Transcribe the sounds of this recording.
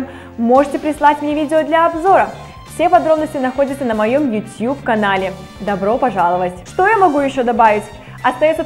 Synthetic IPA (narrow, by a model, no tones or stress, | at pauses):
m | mo̞ʐɨtʲɪpɾʲɪslˠatʲmʲnʲevʲidʲɪod̪lʲɐɐbzo̞ɾə | fsʲepɐd̪ɾo̞bnəsʲtʲɪnɐxo̞dʲɪt̪sənəmɐjo̞mjʊtʲjupkɐnalʲɪ | d̪ɐbɾo̞pɐʐalˠəvətʲʂt̪o̞jamɐɡujɪɕːo̞d̪ɐbavʲɪtʲ | ɐst̪ɐjosə